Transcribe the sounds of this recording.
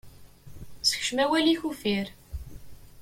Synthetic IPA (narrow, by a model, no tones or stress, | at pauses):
sə̥çʃəmæwæliçufiɾ